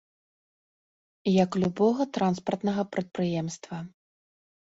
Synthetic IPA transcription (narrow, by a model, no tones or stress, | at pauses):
jɐklʲubɔɣɐt̪ɾanspɐrt̪nɐɣɐpɾɐt̪̚pɾɨjɛmst̪vɐ